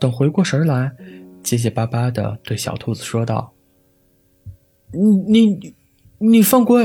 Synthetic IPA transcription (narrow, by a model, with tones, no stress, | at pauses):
t̪ə˨˩ŋxwe˧˥ɪkwɔ˥˩ʂə˞˧˥la˧˥nt͡ɕjɛ˥ɕ̬ɛ˨˩pa˥pa˥d̪ə̰˨t̪we˥˩ɪɕjɑ̰˨˩ʊt̪ʰu˥˩d͡zɹ̩˨˩ʂwɔ˥t̪ɑ̰˥˩ʊ | ni˨˧˩ni˨˩ | ni˨˩fə˥˧ŋkwe˥˩